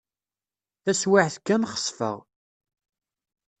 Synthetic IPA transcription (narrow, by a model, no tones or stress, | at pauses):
θæswaʕθkːænχə̥sˤfə̰ʁ